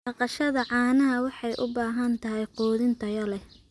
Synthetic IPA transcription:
bɑqɑʃɐðɐʕɑːnɐɦɐwɑħɑjʔʊ̰baːɦɐnt̪ʰɐɦɛjqɔːðɪnt̪ʰɐjɐlɛ

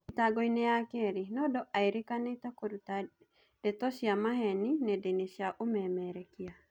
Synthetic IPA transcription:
itaɡɔineakɛɾenɔdɔʔaeɾekanetakoɾuta | d̥ɛtɔʃjamahɛninɛdenesjaʔomɛmɛɾɛkia

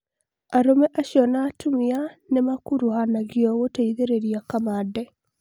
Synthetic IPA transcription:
aɾomɛʔaɕjɔnaːtumianemakuɾuhanaɣjɔɣoteiðeɾeɾiakamadɛ

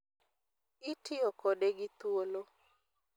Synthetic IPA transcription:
ɪtʰɪokodeɡit̪wolo

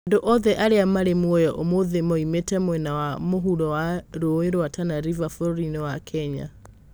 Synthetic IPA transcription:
ndoʔɔðɛʔaɾeamaɾemwɔjɔʔomoðemɔimetɛmwɛnawamoɦuɾɔwaɾoeɾoatanaɾivafɔɾoɾinewakʰɛɲa̰

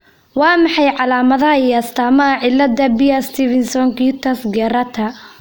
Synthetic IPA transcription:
wɑːmɑħɑjʕɑlaːmɐðɐɦɐiɐst̪ʰaːmɐɐʕɪlːɐd̪ɐbɪjɐst̪ʰiːvɪnsɔŋkiːt̪ʰɐsɡɛːɾɐt̪ʰɐ

